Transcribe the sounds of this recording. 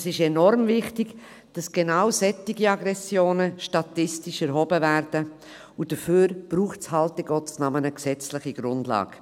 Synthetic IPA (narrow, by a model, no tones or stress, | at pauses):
sɪʃɛnɔɾmvɪχtɪɡ̥ | d̥ɑsɡ̥enaʊsɛtːɪɡiɑɡɾɛsjoːnəʃtɑtɪstɪʃɛɾɦɔbəvæɾd̥ə | ʊd̥əføːɾb̥ruːχtshɑltɪɡɔt͡snɑmənəksɛt͡slɪχiɡ̥ɾʊndlɑ̰ːɡ̥